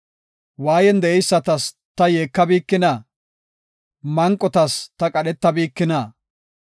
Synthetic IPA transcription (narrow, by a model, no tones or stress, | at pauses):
waːjɛnd̪ɛʔɛjsːɐt̪ɐs | t̪ɐjeːkːɐbiːkːɪnɐ | mɐŋkʼːɔt̪ɐst̪ɐkʼɐɗɛt̪ːɐbiːkːɪnɐ